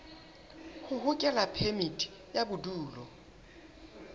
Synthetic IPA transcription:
hʊhʊkʼɛlapʰemitʼʰi̥ | jabʊduːlɔ

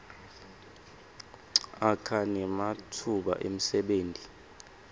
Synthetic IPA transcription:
akʰanɛmatʰuɓa̰ʔem̩sɛɓeːntʼi

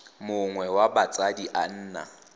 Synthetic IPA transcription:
mʊŋwɛwabat͡sʼadiʔan̩ːna̰

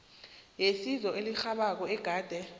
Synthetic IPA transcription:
jesizɔʔelixaɓak̬ɔɛɡ̥ʱaːd̥ʱɛ

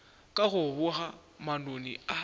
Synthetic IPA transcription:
kʼaɣʊβʊɣa | manonḭa

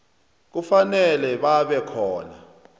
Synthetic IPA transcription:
k̬ufanɛlɛɓaɓɛkʰɔ̰ːna̰

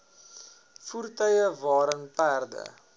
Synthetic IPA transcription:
furtœɥjəvɑːɾənpæːrdə̰

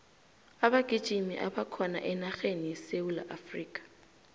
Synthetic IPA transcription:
aɓaɡ̥ʱid̥ʒ̥ʱimḭʔaɓakʰɔna̰ʔɛnaxenijɛsewula̰ʔafriːkʼḁ

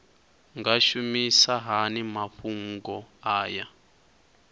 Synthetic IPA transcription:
ŋɡaʃumisaɦanimaɸuŋɡɔaːja

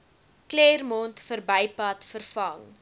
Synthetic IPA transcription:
kleːrmɔntfərbəjpɐtfərfɐŋ

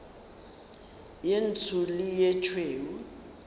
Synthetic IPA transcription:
jent͡sʰulijɛt͡ʃʰweːwu

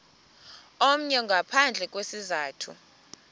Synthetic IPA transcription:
om̩ɲɛŋɡʱapʰand͡ɮʱɛk̬ʼwesizaːtʰṵ

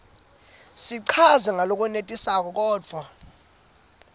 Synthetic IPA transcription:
siǀʰazɛŋʱalok̬ʼunetʼisak̬ɔk̬ɔːd͡v̥ʱwa

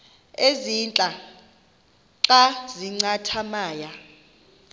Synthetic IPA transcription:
ezint͡ɬʼa | ǁaziŋ͡ǀatʰamaːja

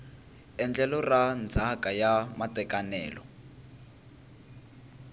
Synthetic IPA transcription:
ɛnd͡ɮɛlɔrand͡zʱakʼajamatɛkʼanɛ̰ːlɔ

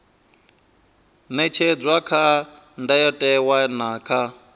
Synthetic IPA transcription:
nɛt͡ʃʰɛd͡zʷwakʰa | ndajɔtʼɛwanaːkʰa

